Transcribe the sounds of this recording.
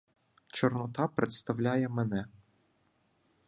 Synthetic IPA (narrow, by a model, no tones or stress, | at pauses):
t͡ʃɔrnɔt̪ɑpɾet̪st̪ɐwlʲɑjɛmenɛ